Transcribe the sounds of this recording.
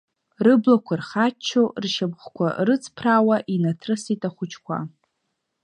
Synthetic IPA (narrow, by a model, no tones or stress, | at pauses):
rɨblakʷʰarχat͡ʃʰːorʃabχʷkʷʰa̰rɨt͡sʰʼpʰrawaʔinatʰrɨsitʼaχʷʊt͡ʃʰkʷʰa̰